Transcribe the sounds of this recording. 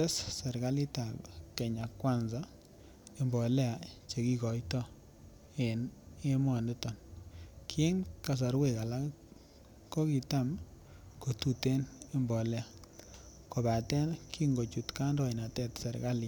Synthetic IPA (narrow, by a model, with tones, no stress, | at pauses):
ɛ˦ssɛ˨ɾka˦li˦ta˨pke˨ɲa˨kwa˦nza˦ | e˦mbɔ˨lɛ˦a˨t͡ʃe˨ki˦kɔ˨jtɔ˦ | e˨ne˦mwɔ˨ndɪ˦tɔ˨nkʰe˦nka˨s̬a˨ɾwe˦˨ka˨la˦k | ko˦ki˨ta˦m | ko˨tu˨te˦ne˦mbɔ˨lɛ˦a˨ | ko˨ba˨tɛ˦nki˦ŋɡo˨t͡ʃu˨tka˦ndɔ˦i˨na˨tɛ˦tse˨ɾka˦li˨